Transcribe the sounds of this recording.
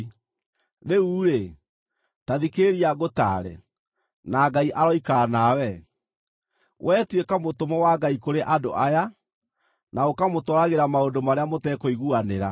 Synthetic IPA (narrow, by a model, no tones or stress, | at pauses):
ðeuːɾe | taðikeɾiaɣota̰ɾɛ̰ | naːɡaiʔaɾɔikaanawɛ | wʔɛːtwekamotomɔwaɡaikoɾeʔadoʔaja | naokamotɔɾaɣeɾamaondomaɾeamotɛkɔiɣuaneɾa